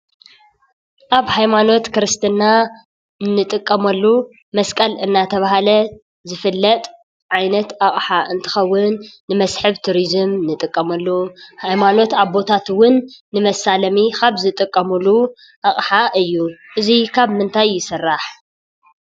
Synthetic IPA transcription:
ʔaβhajmano̞t̪kɨɾɨst̪ʰɨnːa | nːɨt̪ʼɨkʼːɐmɐlːu | mɐskʼɐlɨnːat̪ʰɐβahalɐ | zɨfɨlːɐt̪ʼ | ʕajnɐt̪ʔaχʼħaʔɨnt̪ʰɨ̥xɐwːʊnːɨmɐsħɨβt̪ʰuɾizɨmnɨt̪ʼɨkʼːɐmɐlːuhajmano̞t̪aβbo̞t̪ʰat̪wʊnːɨmɐsalɐmikaβzɨt̪ʼɨkʼːɐmulu | ʔaχʼħaʔɨjːuʔɨzikʰaβmɨnt̪ʰajːɪsɨrːaħ

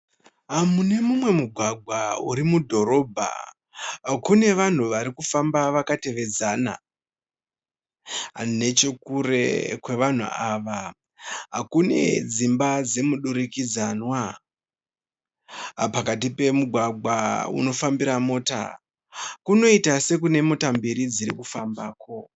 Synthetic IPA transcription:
ɦamune̞mumwe̞muɡʱwaɡʱwauɾimudʱo̞ɾo̞ːbʱa̰ | kune̞ʋan̤uʋaɾikufambaʋakate̞ʋe̞d͡zaːna̰ | ne̞t͡ʃekuɾe̞̰kwe̞ʋan̤ṵaːʋa | ɦakune̞̰d͡zimbad͡ze̞muɗuɾikid͡zanwa | pakatipe̞muɡʱwaɡ͡bʱwa̰ṵno̞fambiɾamo̞ːta̰ | kuno̞itase̞k̬une̞mo̞tambiɾid͡ziɾikufambaːko̞

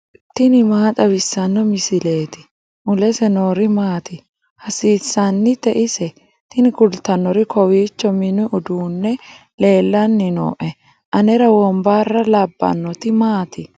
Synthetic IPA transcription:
t̪ɪnɪmaːt̪ʼɐbɪsːɐnːɔmɪsɪle̞ːt̪ɪ | ʔʊlɛsɛnoːɾɪmaːt̪ɪ | hɐsiːsːanːɪt̪ɛʔɪsɛ | t̪ɪnɪɡʊlt̪ɐnːɔɾɪkʰɔwiːt͡ʃːɔmɪnʊʊd̪uːnːɛ | le̞ːlːɐnːɪno̰ːʔɛ | ʔɐnɛɾɐwɔmbaːrːɐlɐbːɐ̰nːɔt̪ɪmaːt̪ɪ

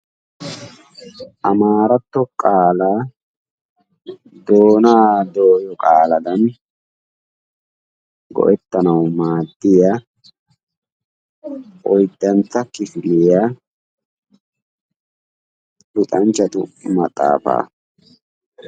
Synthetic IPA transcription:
ʔɐmaːɾɐt̪ːɔkʼaːlaː | d̪oːnaːd̪oːjɔkʼaːlɐd̪ɐn | ɡɔ̰ʔɛt̪ːɐnɐwmaːd̪ːɪja | ɔjd̪ːɐnt͡sːɐkɪfɪlɪjaː | lʊt̪ʼɐnt͡ʃːɐt̪ʊmɐt̪ʼːa̰ːfa̰ː

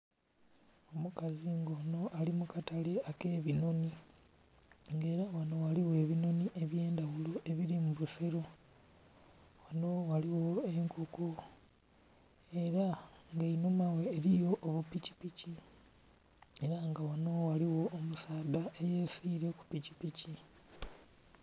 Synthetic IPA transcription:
o̞mukaziŋɡano̞ʔalimukataleake̞ːβinoni | ŋɡe̞ːɾawano̞waliwe̞ːβino̞niʔe̞βje̞ːndawuloʔe̞βiɾimuβuseɾo | wanowaliwoeŋkʰoku | e̞ɾaŋɡeinumawe̞ːɾijo̞ʔːβupici̥pici | e̞ɾaŋɡawano̞waliwo̞ʔːmusaːd̪aʔejesiːɾeku̥picipici

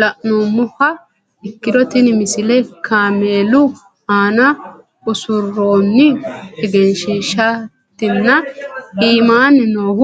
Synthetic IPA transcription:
lɐʔnuːmːʊhɐ | ɪkːɪd̪ɔt̪ɪnɪmɪsɪlɛkʰaːmeːlʊ | aːnɐ | ʊsʊrːoːnːɪɛɡɛnʃiːʃɐ | t̪ːɪnːɐiːmaːnɪnoːɡ

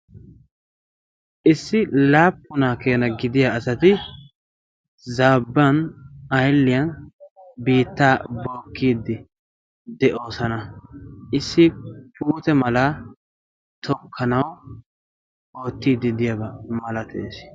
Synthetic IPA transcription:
ʔɪsːɪlaːpːʊnaːkeːnɐɡɪd̪ɪjaːsɐt̪ɪ | zaːbːɐnɐjlːɪjɐn | biːt̪ːaːbo̞ːkːiːd̪ːɪ | d̪ɛʔo̞ːsɐnɐʔɪsːɪpʰuːt̪ɛmɐla | t̪ɔkʰːɐnɐw | o̞ːt̪ːiːd̪ːɪd̪ɪjɐbɐmɐlɐt̪ʰḛːs

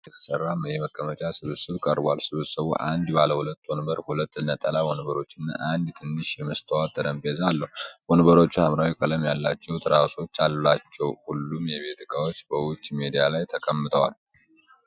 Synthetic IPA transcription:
jɛt̪ʰə̥sərːamjɛməkʼːəmət͡ʃʼasɨβɨsɨβkʼəɾbalsɨβɨsəβṵʔand̪baləhulət̪ːonɨbəɾhulət̪ːɨnːət̪ʼːəlawonβəɾo̞t͡ʃːɨnːa̰ʔand̪t̪ʰɨnːɨʃjɛməst̪ʰəwat̪ʰʼːəd̪əmbezalːəhuwonɨβəɾo̞t͡ʃːuhamɾawikʼələmjalːat͡ʃːɛwt̪ʰəɾawso̞t͡ʃːallat͡ʃːɛwhulːumjɛβe̞t̪ʰɨkʼawot͡ʃːbəwʊt͡ʃːme̞d̪ijalajt̪ʰəkʰʼəmːɨt̪ʰəwa̰l

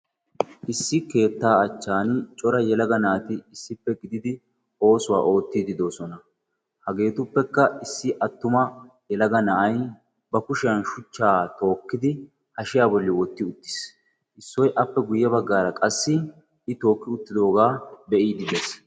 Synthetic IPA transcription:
ʔɪsːɪke̞ːt̪ːaːɐt͡ʃːaːnɪt͡ʃʼɔɾɐjɛlɐɡɐnaːt̪ɪɪsːɪpːɛɡɪd̪ɪd̪ɪ | o̞ːsʊwa̰ːʔo̞ːt̪ːiːd̪ɪd̪o̞ːsɔnɐ | hɐɡe̞ːt̪ʊpːɛkːɐɪsːɪʔɐt̪ːʊmɐ | jɛlɐɡɐnɐʔɐj | bɐkʊʃɪjɐnʃʊt͡ʃːaːt̪o̞ːkːɪd̪ɪ | hɐʃɪjaːbɔlːɪwɔt̪ːɪʊt̪ːɪ̥s | ʔɪsːɔjʔɐpːɛɡʊjːɛbɐɡːaːɾɐkʼɐsːɪ | ɪt̪o̞ːkːɪʊt̪ːɪd̪o̞ːɡaːbɛʔiːd̪ɪd̪eːs

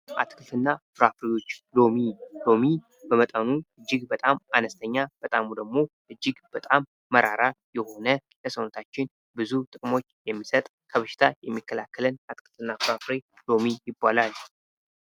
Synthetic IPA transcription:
ʔa̰t̪ʼkʰɨfɨnːafɨɾafɾejo̞t͡ʃːlo̞milo̞mi | bəmət̪ʼənuɨd͡ʒːɪɡbət̪ʼamanəst̪ʰəɲːab̥ət̪ʼamud̪əɡmo̞ | ʔɨd͡ʒːɪɡb̥ət̪ʼamːəɾaɾajɛho̞nə | ləsənot̪ʰat͡ʃːɪn | bɨzut̪ʼɨkʼmo̞t͡ʃːjɛmːisət̪ʼ | kʰəβəʃɪ̥t̪ʰajɛmːikːəlakːələnat̪ʼkʼɨfɨnːafɨɾafɾe | lo̞mijɪbːalal

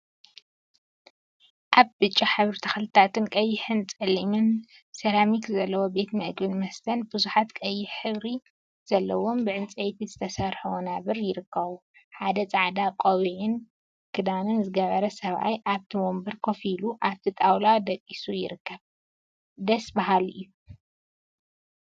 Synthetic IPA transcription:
ʔaβbɨt͡ʃʼːaħɨβɾɨt̪ʰɐxlɨt̪ʰat̪ʰɨnkʼɐjːɪħɨnt͡sʼɨlimɨn | sɐlamikzɐlːɐwobe̞t̪mɨʔɡbɨnmɐst̪ʰɐnbɨzuħat̪kʼɐjːɪħħɨβɾi | z̥ɐlːɐwo̞mbɨʕɨnt͡sʼɐjt̪ʰizɨt̪ʰɐsɐɾħuwnaβɨɾjɪɾɨkːɐβuħad̪ɐt͡sʼaʕd̪akʼowiʕɪn | kʰɨd̪anɨnzɨɡɐβɐɾɐsɐβa̰jʔaβt̪ʰimombɨɾkʰo̞filuʔaβt̪ʰit̪ʼawlad̪ɐkʼːisujɪ̰ɾɨkʰːɐβ | d̪ɐsbaɦalɨjːu

